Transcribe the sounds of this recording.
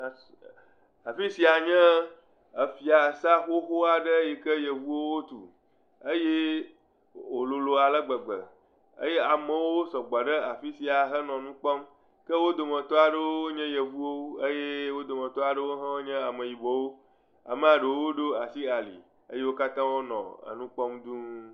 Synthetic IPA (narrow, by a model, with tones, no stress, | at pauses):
a˨fi˦si˨a˨ɲɛ̃˦ | ə˨fi˨a˨sa˦xo˦xo˦a˨ɖə˦je˨kə˦jə˨vu˦wo˦wo˦t̪ṵ˨ | ə˦je˦ | wo˨lo˨lo˨a˨lə˦ɡ͡bə˨ɡ͡bə̰˨ | ə̰˦je˦a˨mə̃˨wo˦sɔ˨ɡ͡bɔ˨ɖə˦a˨fi˦si˨a˨ɦə˦nɔ̃˨nũ˦k͡pɔ˦m | kə˦wo˦d̪o˨mə̃˨t̪ɔ˦a˨ɖə˦woo˦o˦ɲɛ̃˦jə˨vu˦wo˦ə˦je˦wo˦d̪o˨mə̃˨t̪ɔ˦a˨ɖə˦wo˦ɦɛ̃˦wo˦ɲɛ̃˦a˨mə˨ji˨bɔ˨wo˦ | a̰˨mə˨a˨ɖə˨wo˦o˦ɖo˦a˨si˦a˨lḭ˨ | ə˦je˦wo˦ka˦t̪ã˦wo˦nɔ̰̃˨ə̰˨nũ˦k͡pɔ˦md̪ũ˦